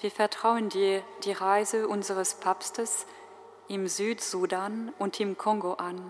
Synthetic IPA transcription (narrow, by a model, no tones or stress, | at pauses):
viːɐfɛɐtʁ̥aʊəndiːd̥iːʁaɪzəʔʊnzəʁəspʰaːpstəs | ʔɪmzyːtz̥udanʔʊntɪmkʰɔŋɡoʔan